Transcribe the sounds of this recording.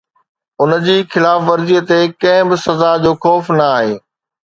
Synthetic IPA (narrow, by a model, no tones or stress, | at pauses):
ʊnəd͡ʑiːxɪlaːfʋɐɾziːət̪ekɐ̃ɦɪ̃bɪsɐzad͡ʑoːxɔːfnɐaːɦeː